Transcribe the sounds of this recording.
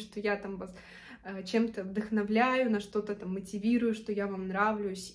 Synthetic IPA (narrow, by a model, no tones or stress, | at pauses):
ʂt̪ojat̪amvas | ət͡ɕe̞mt̪əvd̪ɨxnɐvlʲæjʊnɐʂt̪o̞t̪ət̪amːətʲɪvʲiɾʊjʊʂt̪o̞javamnɾavlʲʊjʊsʲ